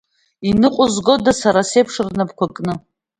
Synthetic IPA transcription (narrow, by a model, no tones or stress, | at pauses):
inɨqʷʼʊzɡo̞dasaɾasejpʰʂɨrnabkʷʰakʼnɨ